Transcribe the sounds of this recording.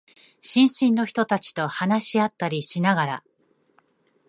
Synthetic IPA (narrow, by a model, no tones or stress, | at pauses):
ɕĩɰ̃ɕĩnːo̞çi̥t̪o̞t̪at͡ɕi̥t̪o̞hanaɕiat̪ːaɾʲiɕinaɡaɾa̰